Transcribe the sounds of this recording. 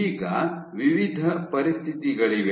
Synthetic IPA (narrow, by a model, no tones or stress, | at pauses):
iːɡɐʋiʋid̪ʱɐpɐɾist̪ʰit̪iɡɐɭiʋe